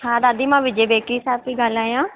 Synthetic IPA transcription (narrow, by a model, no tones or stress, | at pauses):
saːd̪aːd̪iːmãːʋɪd͡ʒeːbeːkiːsaːbt̪iːɡəlaːjãː